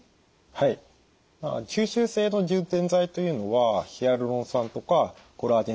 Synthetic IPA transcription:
hai | ma̰d͡ʑɨːɕɨːse̞ːno̞ʑɨ̃nt̪ẽ̞nd͡zait̪o̞jɯ̟ːno̞βaçiaɾɯ̟ɾõ̞ɰ̃sãnt̪o̞ka | ɡ̥oɾaːd̪ẽ

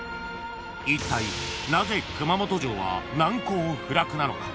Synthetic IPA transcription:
it̪ːainaze̞kɯ̟mamo̞t̪o̞ʑo̞ːβa̰nãŋko̞ːɸɯ̟ɾakɯ̟nano̞̰ka̰

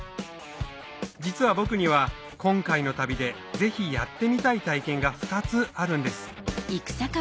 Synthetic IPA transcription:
d͡ʑit͡sɨβabo̞kɯ̟ɲ̟iβ̞a | kõ̞ŋkaino̞t̪abʲid̪e̞ | d͡ze̞çijat̪ːe̞mʲit̪ait̪aikẽ̞ŋɡaɸɯ̟̥t̪at͡sɨaɾɯ̟̃nd̪esɨ̥ikɯ̟̥saka

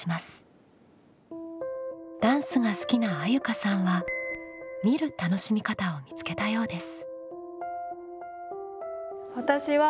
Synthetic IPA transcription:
imasɨ̥ | d̪̥ãɰ̃sɨŋasɨ̥kʲinaːjɯ̟kasãɰ̃βa | mʲiɾɯ̟t̪ano̞ɕimʲikat̪ao̞mʲit͡sɨ̥ke̞t̪ajo̞ːd̪esɨ̥ | βat̪aɕiβa

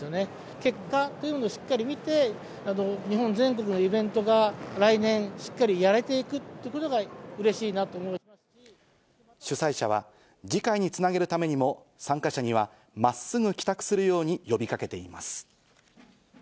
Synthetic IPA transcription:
jone̞ | ke̞kːat̪ːo̞jiɯmonoːɕi̥kːaɾʲimʲit̪e̞ | ano̞ɲ̟iɦõ̞nd͡zẽ̞ŋko̞k̬ɯ̟no̞ibẽ̞nt̪o̞ɡaɾainẽ̞ɰ̃ɕi̥kːaɾʲijaɾe̞t̪e̞ikɯ̟t̪ːejiɯ̟ko̞t̪o̞ɡaɯ̟ɾe̞ɕiːnat̪oːmo̥ | i | ɕɨsaiɕaβ̞a̰ | d͡ʑikaiɲ̟it͡sɨnaɡe̞ɾɯ̟t̪ame̞ɲ̟imo̞ | sãŋkaɕaɲ̟iβ̞a | masɨɡɯ̟kʲi̥t̪akɯ̟̥sɨɾɯ̟jo̞ːɲ̟ijo̞bʲikake̞t̪e̞ima̰sɨ̥

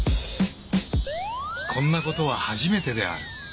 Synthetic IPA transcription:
kʰõ̞nːako̞t̪o̞β̞ahaʑime̞t̪e̞d̪e̞̰a̰ɾɯ̟

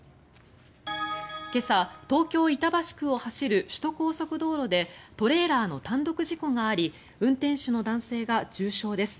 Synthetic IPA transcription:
ke̞sat̪o̞ːkʲo̞ːit̪abaɕi̥kɯ̟o̞haɕiɾɯ̟ɕi̥t̪o̞ko̞ːso̞kɯ̟d̪o̞ːɾo̞d̪e̞t̪o̞ɾe̞ːɾaːno̞t̪ãnd̪o̞kɯ̟ʑiko̞ŋɡaːɾʲi | ɯ̟̃nt̪ẽ̞ɰ̃ɕɨno̞d̪ãɰ̃se̞ːɡat͡ɕɨːɕo̞ːd̪e̞sɨ̥

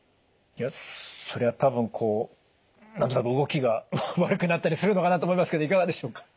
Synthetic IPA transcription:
ijaso̞ɾe̞βat̪abɯ̟̃ŋkʰo̞ː | nãnt̪onakɯɯ̟ɡo̞kʲiɡaβaɾɯ̟kɯ̟nat̪ːaɾʲisɨɾɯ̟no̞kanat̪oːmoimasɨ̥ke̞d̪oikaɡad̪e̞ɕo̞ːkḁ

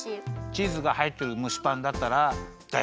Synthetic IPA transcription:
t͡ɕiːzɨɡahait̪ːeɾɯ̟mɯ̟ɕi̥pãnd̪at̪ːaɾa | d̪̥a

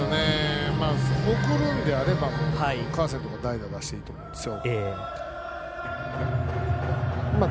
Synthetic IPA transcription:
onemaːhokɯ̟ɾɯ̃nd̪e̞aɾe̞bamohaikãɰ̃s̬ent̪o̞kad̪aid̪ad̪aɕi̥t̪e̞iːt̪o̞mõ̞nd̪e̞sɨjo̞e | ma

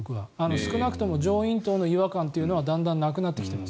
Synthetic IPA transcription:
kɯβaano̞sɨ̥kɯ̟nakɯ̟̥t̪omo̞d͡ʑo̞ːĩnt̪oːno̞iβakãnt̪ːe̞iɯ̟no̞β̞ad̪ãnd̪ãnːakɯ̟nat̪ːe̞kʲi̥t̪e̞mas

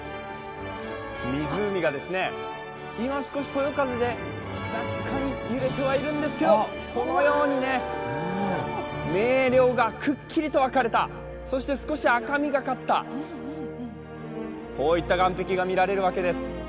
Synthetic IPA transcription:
mʲizɨːmʲiɡad̪e̞sɨne̞ | imasɨ̥ko̞ɕi̥t̪o̞jo̞kazɨd̪e̞ | d͡ʑakkʰːãɲ̟iɯɾe̞t̪e̞βaiɾɯ̟̃nd̪e̞sɨ̥ke̞d̪o̞ | ko̞nojo̞ːɲ̟ine̞ | me̞ːɾʲjo̞ːɡakʰɯ̟kʲʰːiɾʲit̪o̞βakaɾe̞t̪a̰ | so̞ɕi̥t̪e̞sɨ̥ko̞ɕiakamʲiɡakat̪ːa̰ | ko̞ːit̪ːaɡãmpe̞kʲiɡamʲiɾaɾe̞ɾɯ̟βake̞d̪e̞sɨ̥

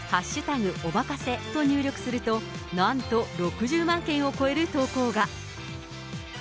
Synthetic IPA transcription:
haɕːɨt̪aɡɯ̟ʔobakase̞t̪o̞ɲ̟ɨːɾʲo̞kɯ̟̥sɨɾɯ̟t̪o̞nãnt̪o̞ɾo̞kɯʑɨːmãŋkẽ̞ɰ̃o̞ko̞e̞ɾɯ̟t̪o̞ːko̞ːɡa

